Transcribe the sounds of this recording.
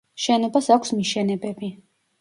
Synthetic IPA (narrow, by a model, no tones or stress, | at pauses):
ʃɛnɔbasakʷʰsmiʃɛnɛbɛbi